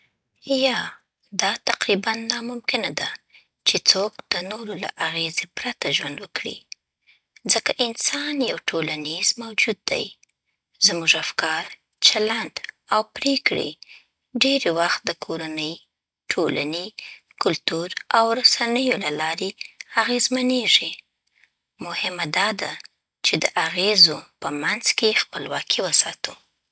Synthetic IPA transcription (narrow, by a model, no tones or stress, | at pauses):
jɑ | d̪ɑt̪aqɾibanːɑmʊmkɪnad̪a | t͡ʃet͡sok̚d̪̥ənoɾola̰ʔaɣezepɾat̪aʒwand̪wəkɽḭ | zəkaʔɪnsɑnjawʈʰolanizmawd͡ʒud̪̚ːa̰j | zmuʒafkɑɾ | t͡ʃalaɳɖawpɾekɽḭ | ɖeɾwaxt̪̚d̪əkʰoɾanəj | ʈʰola̰ni | kʊlt̪uɾawɾasanəjolalɑɾeaɣezmaneʐi | mʊhɪmad̪ɑd̪a | t͡ʃed̪əʔaɣezopəmanz̥kexpəlwɑkʰiwəsɑt̪u